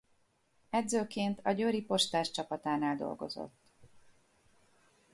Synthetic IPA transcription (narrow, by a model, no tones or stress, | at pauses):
ɛd̪zøːkeːnt̪ʰɒɟøɾipo̞ʃt̪aːʃt͡ʃɒpɒt̪aːnaːld̪o̞̰lɡo̞̰zo̞̰t̪ː